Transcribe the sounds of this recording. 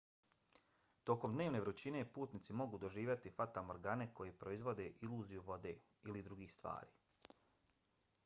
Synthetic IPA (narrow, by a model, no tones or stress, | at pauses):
t̪o̞komd̪neːʋne̞ːɾut͡ɕine̞puːt̪nit̪simo̞ɡud̪o̞ʒiːʋjat̪ifat̪amoɾɡane̞ko̞jepɾo̞izʋo̞d̪e̞ʔiluːzijuʋo̞d̪e̞ː | ilid̪ɾuɡiːxst̪ʋa̰ːɾḭː